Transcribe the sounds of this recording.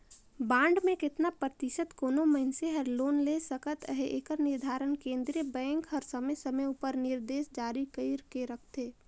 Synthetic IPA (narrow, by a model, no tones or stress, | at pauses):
bãːɳɖmẽkɪt̪napɾət̪ɪʃət̪koːnoməɦɪnseɦɛɾloːnleːsəkət̪əɦeʔeːkəɾnɪɾd̪ʱaːɾənkẽːnd̪ɾiebɛ̃ːŋkɦɐɾsɐməjsəməupəɾnɪɾd̪eːʃd͡ʒaːɾikəiɾkeɾək̚ʰt̪eː